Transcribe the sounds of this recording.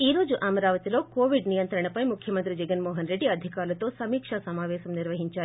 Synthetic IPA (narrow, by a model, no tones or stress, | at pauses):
iːɾo̞ːd͡ʒuʔɐmɐɾaːʋɐt̪ilo̞ːkoːʋiɖnijɐnt̪ɾɐɳɐpɐjmukʰjɐmɐnt̪ɾid͡ʒɛɡɐnmɔːɦɐnɾe̞ɖːiɐd̪ʱikaːɾlɐt̪o̞ːsɐmiːkʂɐsɐmaːʋɛːʃɐmniɾʋɐɦiɲt͡ʃaːɾi